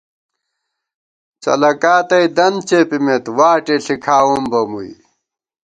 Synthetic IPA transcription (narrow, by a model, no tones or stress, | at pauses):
t͡sɐ̰lɐkaːt̪ɐjd̪ɐnt͡ɕepimet̪waːʈeɬikʰaːumbɐmṵi